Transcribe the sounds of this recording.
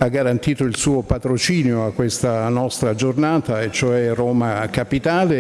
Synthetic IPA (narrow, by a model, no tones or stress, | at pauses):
aɡːaɾant̪iːt̪oilsuːopat̪ɾot͡ʃiːnjoakːwest̪anɔst̪ɾad͡ʒornaːt̪aet͡ʃːoɛroːmakapit̪aːle